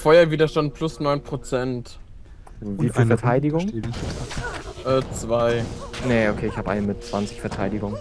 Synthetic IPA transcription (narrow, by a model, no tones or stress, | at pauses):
fɔʏɐviːdɐʃtant̚pʰlʊsnɔʏnpʁ̥ot͡sɛnt | viːfifɛɐtʰaɪdɪɡʊŋ | ʔɛːt͡sv̥aɪneokʰeːɪçhaːbəʔa̰ɪnəmɪt̚t͡sv̥ant͡sɪçfɛɐtʰaɪdɪɡʊŋə